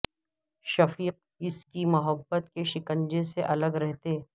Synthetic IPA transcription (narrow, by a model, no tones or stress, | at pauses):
ʃɐfiːq̚ | ɪskimʊɦəbːət̪keʃɪkə̃ɲd͡ʒẽseʔɐləɡɾɛɦt̪eː